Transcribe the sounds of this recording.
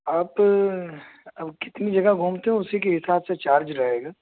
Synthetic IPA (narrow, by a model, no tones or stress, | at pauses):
aːp | ɐbkɪt̪nid͡ʒɐɡaɡʱuːmt̪eɦɛ̃ʊsikeɦɪsaːbset͡ʃaːɾd͡ʒɾɐɦeːɡaː